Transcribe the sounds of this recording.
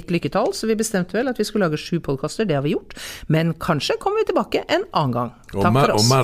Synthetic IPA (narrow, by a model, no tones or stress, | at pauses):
t̪lʏkːət̪ʰɑlsɔʋɪbəst̪ɛmt̪əʋɛlɑt̪ʋɪskʉllɑːɡəʂʉːpʰɔd̪̚kʰɑːst̪əɖɛhɑɾʋɪjʊʈːmɛnkʰɑnʂəkʰɔmːəɾʋɪt̪ʰɪlbɑːkəʔɛnʔɑːnɡɑ̰ŋ | t̪ʰɑfɔɾɔ